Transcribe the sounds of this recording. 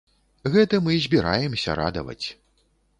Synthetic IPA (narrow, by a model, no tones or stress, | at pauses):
ɣɛt̪ɐmɨzʲbʲiɾajɛmsʲɐ̰ɾa̰d̪ɐvɐ̰t͡sʲ